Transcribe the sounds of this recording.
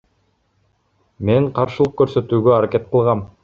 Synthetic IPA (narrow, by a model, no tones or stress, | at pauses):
me̞ɴqʰɑɾʃɯlˠɤq̚køɾsø̞t̪yːɡøaɾake̞t̪̚qɤ̆lˠʁɑm